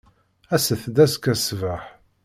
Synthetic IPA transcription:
æsəθd̪æskæsvəħ

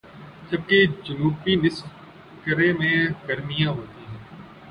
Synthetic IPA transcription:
təb̚keːd͡ʒənuːpiːnɪs | kəɾẽːmẽːkəɾmijãːɦoːt̪iːɦɛ̃ː

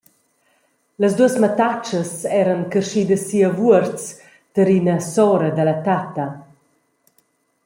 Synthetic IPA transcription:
ləzd̪uəsmat̪at͡ʃəsɛɾənkərʃid̪əsiəvuəɾt͡s | t̪əɾinəsɔɾəd̪əlat̪at̪ɐ

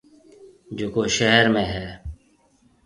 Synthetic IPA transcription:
d͡ʒoːkoːʃəɦɾmẽːɦɛː

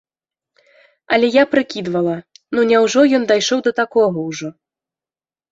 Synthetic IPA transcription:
ɐlʲɛjapɾɨkʲid̪vɐlˠɐnunʲɛwʐɔjɔnd̪ajʂɔwd̪ɐt̪akɔɣɐwʐɔ

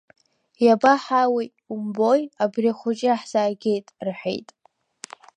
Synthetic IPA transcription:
jabaħawi | umbojabriaχʷʊt͡ʃʼɪaħzaːɡʲejtʼrħʷᶣḛjtʼ

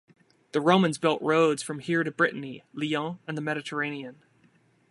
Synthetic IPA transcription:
ðɨɹõʊ̃mə̃nzbɪlˠʔɹoʊdz̥fɹʌ̃mhiɹɾɨbɹɪʔn̩iliɔ̃ɨ̃nðəmɛɾɨɾʰə˞ẽɪ̃niɨ̃n

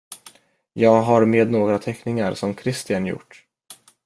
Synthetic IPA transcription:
jɑːɡɦaɾmeːd̪noːɡɾat̪ʰɛknɪŋaɾsɔmkʰɾɪst̪ɪjanjʊ̰ʈː

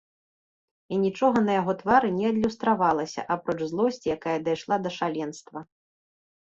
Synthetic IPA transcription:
inʲit͡ʂɔɣɐnɐjaɣɔt̪vaɾɨnʲɛɐd̪ʲlʲust̪ɾavalˠɐsʲɐ̰ʔapɾɔt͡ʂzlˠɔsʲt͡sʲijakajɐd̪ajʂlˠad̪ɐʂalʲɛnst̪vɐ

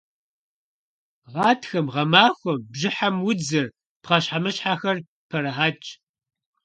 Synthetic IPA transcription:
ʁɑːtʰxɐmʁɐmaːxʷɔmbʑɪħamwʊd͡zɨr | pqɐɕħamɨɕħaːxɐr | pʰɐɾɐħaːt͡ʃʼ

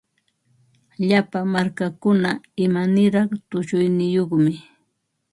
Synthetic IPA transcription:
ʎapamaɾkakʊnaɪmanɪɾɑχt̪ʊʃʊjnɪjoχmɪ

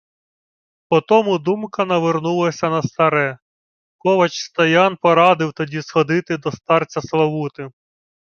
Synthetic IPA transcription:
pɔt̪ɔmʊd̪umkɐnɐʋernulˠɐsʲɐnɐst̪ɐɾɛ | kɔʋɐt͡ʃst̪ɐjɑnpɔɾɑd̪ɪwt̪ɔdʲisxɔd̪ɪt̪ɪd̪ɔst̪ɑrt͡sʲɐslˠɐʋut̪ɪ

